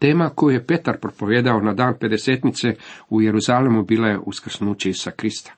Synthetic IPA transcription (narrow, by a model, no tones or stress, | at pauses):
t̪e̞ːmako̞juje̞pe̞t̪aɾpɾopo̞ʋjeːd̪ao̞nad̪aːnpe̞d̪e̞seːt̪nit̪seuje̞ɾuzaːlemubiːlaje̞ʔuskr̩snuːt͡ɕeisu̥sakɾist̪ḁ